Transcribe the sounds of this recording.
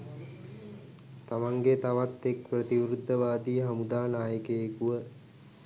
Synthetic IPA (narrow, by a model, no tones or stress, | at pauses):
t̪amaŋɡet̪aʋat̪ːek̚prət̪iʋɾud̪ʱːəʋaːd̪iːɦamud̪aːnaːjəkeːkuʋə